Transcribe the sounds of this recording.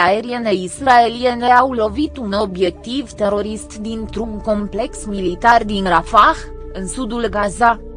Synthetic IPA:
aeɾie̞ne̞israe̞lie̞neawlo̞vit̪uno̞bje̞k̚t̪ivt̪e̞ɾo̞ɾist̪d̪int̪ɾumko̞mple̞ksmilit̪ard̪inrafax | ɨnsud̪ulɡaza

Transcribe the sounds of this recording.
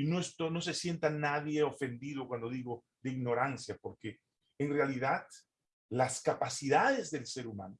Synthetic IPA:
ino̞est̪ono̞s̬e̞sje̞nt̪anaðje̞o̞fe̞nd̪iðo̞kwand̪o̞ðiɣo̞ | ðeiɡno̞ɾansjapo̞ɾke̞ː | nrealiðað | laskapasiðaðe̞zðe̞lse̞ɾuma̰no

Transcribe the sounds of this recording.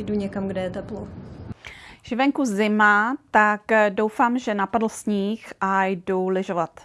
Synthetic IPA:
jduɲɛkamɡdɛjɛt̪ɛplo | ʒ̥ɪvɛŋkuzɪmat̪akdo̞wfaːmʒɛnapadl̩sɲiːxʔajdulɪʒovat̪

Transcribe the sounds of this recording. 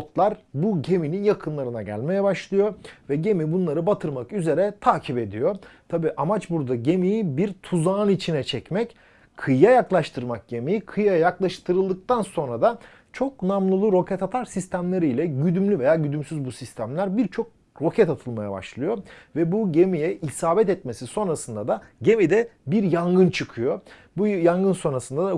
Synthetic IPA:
ot̪lˠaɾbuɟe̞mininjakʰɯnlˠaɾɯnaɟæ̰lʲme̞jɛbaʃlˠɯjo̞vɛɟe̞mibunlˠaɾɯbat̪ʰɯɾmakyze̞ɾɛt̪ʰaːcʰipe̞d̪ijo̞t̪ʰabiːʔamat͡ʃbuɾd̪aɟe̞mijibiɾt̪ʰuzaːnit͡ʃʰinɛt͡ʃʰɛcmɛc | kʰɯjajaklˠaʃt̪ʰɯɾmak̚ɟe̞mijikʰɯjajaklˠaʃt̪ʰɯɾɯlˠd̪ɯk̚t̪anso̞nɾad̪a | t͡ʃʰo̞knamlˠɯlˠuɾo̞cʰɛt̪at̪ʰaɾsist̪ʰæmlʲe̞ɾijlʲɛɟyd̪ymlʲyve̞jaːɟyd̪ymsyzbusist̪ʰæmlʲæɾbiɾt͡ʃʰo̞k̚ | ɾo̞cʰɛt̪at̪ʰɯlˠmaja̰ba̰ʃlˠɯjo̞vɛbuɟe̞mijɛisaːbɛt̪ɛt̪̚me̞siso̞nɾasɯnd̪ad̪aɟe̞mid̪ɛbiɾjaŋɡɯnt͡ʃʰɯkʰɯjo̞ | bujaŋɡɯnso̞nɾasɯnd̪ad̪a

